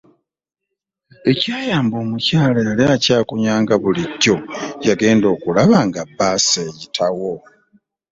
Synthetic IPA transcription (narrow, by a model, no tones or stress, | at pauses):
e̞caːjaːmbo̞ːmucaːlaaljacaːkuɲaːŋɡaβuliɟːo̞jaɡe̞ːndo̞ːkulaβaŋɡabːaːseːjitʰawo̞